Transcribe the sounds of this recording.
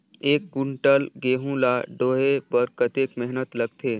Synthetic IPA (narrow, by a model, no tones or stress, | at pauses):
eːk̚ɡʊɳʈəlɡeːɦũlaːɖoːɦebəɾkət̪eːkmɛɦnət̪lɐɡt̪ʰeː